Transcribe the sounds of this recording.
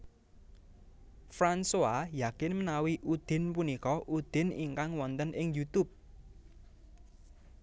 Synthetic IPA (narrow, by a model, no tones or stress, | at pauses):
fɾansoajakɪnmənawiʔud̪̥ɪ̤npunikɔʔud̪̥ɪ̤niŋkaŋwɔnt̪ənɪŋjut̪ʊp̚